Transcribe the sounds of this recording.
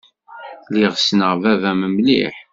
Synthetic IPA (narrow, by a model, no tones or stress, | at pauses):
liʁsnəʁvævæməmlḭħ